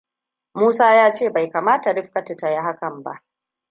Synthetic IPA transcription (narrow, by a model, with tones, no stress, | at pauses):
muː˦saː˦jaː˦t͡ʃeː˦˨ba˨jkaː˨maː˦ta˨ɽɪ˦ɸkɐ˦tɪ˨ta˨ja˦ɦa˦kɐ˨mba̰˦ʔ